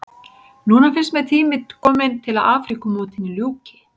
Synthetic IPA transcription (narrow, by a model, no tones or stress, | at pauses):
nuːnafɪn̥st̪mɛðt̪ʰiːmɪkʰɔːmɪnt̪ʰɪlaðaːfɾikʏmɔːt̪ɪnːɪljuːcɪ̥